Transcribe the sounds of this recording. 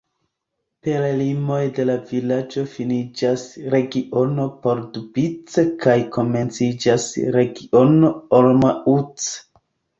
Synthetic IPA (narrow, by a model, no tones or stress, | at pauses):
pelalimo̞jde̞lavilad͡ʒo̞finid͡ʒasɾe̞ɡiʔo̞no̞po̞ɾdubit͡sekajko̞me̞nt͡sid͡ʒasɾe̞ɡiʔo̞no̞olmaut͡s